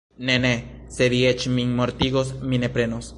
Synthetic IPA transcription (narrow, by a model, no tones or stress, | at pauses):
neneseðiet͡ʃmiŋmoɾt̪iɣos̬minepɾenos